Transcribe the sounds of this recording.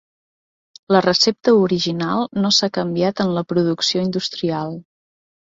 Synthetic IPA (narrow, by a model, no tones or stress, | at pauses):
lərəsep̚t̪əuɾiʒinalˠnosakəmbiat̪ənləpɾuðuksioind̪ust̪ɾialˠ